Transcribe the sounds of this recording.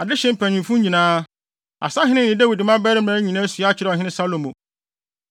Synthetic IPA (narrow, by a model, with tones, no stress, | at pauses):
a˨dɪ˦ɕɛ̃˦m̩˦˨pʰæ˨nĩ˨mfũ˦ɲĩ˨nãː˦ | a̰˨sã˦ɦɪ̃˦nɪ̃˦˨ɪ̃˨dæ˦wi˨dɪ˨mã˦bɛ˦ɾɪ˦m˨ɾã˨˦ɲĩ˨nãː˦sɥa˦t͡ɕʰɪ˨ɾɛ˦ɔ˨ɦɪ̃˦nɪ̃˦sa˦lõ˨mõ˨